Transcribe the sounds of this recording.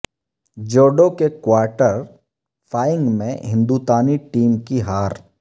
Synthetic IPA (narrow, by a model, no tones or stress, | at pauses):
d͡ʒoːɖokekwaːɾʈəɾ | fʰaːjɪ̃ŋɡmḛ̃ɦɪ̃nd̪ut̪aːniʈiːmkiɦaːɾ